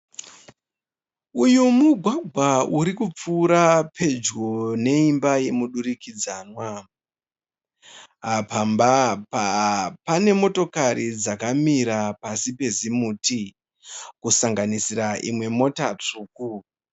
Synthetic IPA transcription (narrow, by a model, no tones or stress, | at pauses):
ujomuɡʱwaɡʱwauɾikup͡fuːɾapʰe̞d͡ʒɡone̞imbaje̞muɗuɾikid͡zaːnwa | apʰambapapane̞mo̞to̞kaɾid͡zakamiɾapasipe̞zimuːti | kusaŋɡanisiɾaʔimwe̞mo̞tat͡ʂuːku